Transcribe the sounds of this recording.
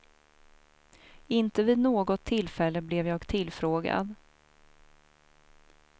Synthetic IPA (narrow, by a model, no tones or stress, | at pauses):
ɪnt̪əviːd̪noːɡɔt̪ʰːɪlːfɛlːəblɛvjɑːɡt̪ʰɪlfɾoːɡa̰d̪